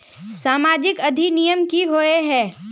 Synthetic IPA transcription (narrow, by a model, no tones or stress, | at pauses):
saːmaːd͡ʒɪkɐd̪ʱinijəmkiɦoːeɦɛ̃ː